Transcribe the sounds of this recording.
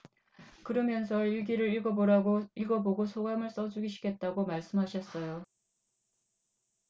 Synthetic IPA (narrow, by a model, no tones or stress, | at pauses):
kɯɾʌmjʌnsʰʌiɭɡiɾɯɾiɭɡʌboɾaiɭɡʌboɡosʰoɡamɯɭs͈ʌd͡ʑuɡiɕʰi̥kʰe̞t̚t͈aɡomaɭs͈ɯmɦaɕʰʌs͈ʌjo